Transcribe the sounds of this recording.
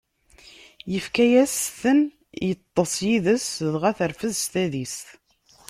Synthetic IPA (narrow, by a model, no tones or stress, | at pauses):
jəfkæjæsθən | jət̪ˤːəsˤjiðəsðʁæθəɾfəðst̪æðisθ